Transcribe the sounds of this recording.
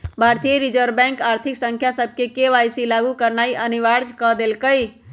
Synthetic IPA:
bʱaɾt̪ijeɾid͡ʒəɾbɛ̃ŋkaɾt̪ʰiksə̃ŋkʰjasəb̚ʱkekeʋajsilaɡukəɾnaiʔəniʋaɾd͡ʒkəd̪elkəj

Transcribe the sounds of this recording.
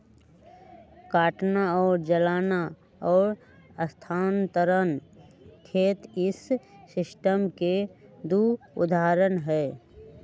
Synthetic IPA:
kaːʈnaɔːɾd͡ʒəlaːna | ɔːɾ | əst̪ʰaːnt̪əɾənkʰeːt̪ɪsːɪsʈəmked̪u | ʊ̰d̪ʱaːɾənɦɛː

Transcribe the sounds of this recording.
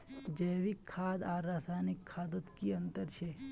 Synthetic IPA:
d͡ʒəːjʋɪkʰːaːd̪aːɾːaːsaːnɪkʰːaːd̪ʊt̪kiɐ̃nt̪əɾt͡ʃʰe

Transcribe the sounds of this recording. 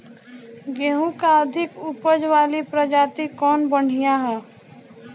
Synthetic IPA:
ɡɛːɦũkaəd̪ʱɪkʊpəd͡ʒʋaːlipɾəd͡ʒaːt̪ikɔːnbəɽ̤ijaɦɛː

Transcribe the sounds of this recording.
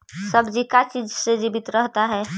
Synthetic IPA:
sɐbd͡ʒikat͡ʃiːd͡ʒsed͡ʒibɪt̪ɾəɦt̪aɦɛː

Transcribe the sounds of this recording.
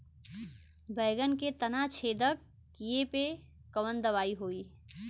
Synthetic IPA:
bɛːɡənket̪ɐnat͡ʃʰeːd̪əkːijepekəʋənd̪ɐʋaːiɦoːiː

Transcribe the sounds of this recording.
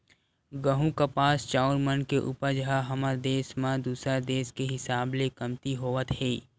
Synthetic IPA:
ɡəɦũkapaːst͡ʃaːʊnmənkeʔṵːpəɾd͡ʒəɦaɦɐməɾd̪eːsmãd̪uːsɾad̪eːskeɦɪsaːblekɐmt̪iɦoːʋət̪ɦeː

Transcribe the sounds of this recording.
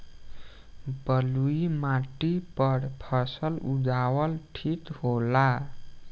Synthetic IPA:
bʌluimaʈipʌɽpʰʌsʌlud͡zawʌlʈʰit̪ɦhola

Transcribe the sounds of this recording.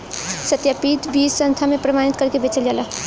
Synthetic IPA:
sət̪japit̪bisə̃nt̪ʰamepɾəmañit̪kəɾkebet͡ʃəld͡ʒala

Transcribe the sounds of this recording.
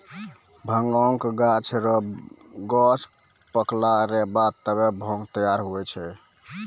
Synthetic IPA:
bʱəŋɡɔŋkɡat͡ʃʰɾɔɡɔt͡ʃʰ | pəklaɾɛbat̪ːəbebʱõŋɡt̪əjaɾɦuɛt͡ʃʰɛ

